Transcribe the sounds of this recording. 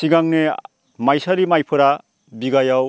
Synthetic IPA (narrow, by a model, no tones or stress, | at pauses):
siɡaŋne | majsaɾimajpʰɯɾa | biɡajaw